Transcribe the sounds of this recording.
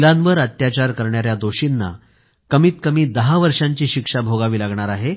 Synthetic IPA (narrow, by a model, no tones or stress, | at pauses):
ilãnʋəɾət̪jat͡ɕaɾkəɾɳjaɾjad̪oɕinːa̰ | kəmiːt̪̚kəmiːd̪əɦaʋəɾʂãɲt͡ɕiːɕikʂabʱoɡaʋiːlaɡɳaɾaɦe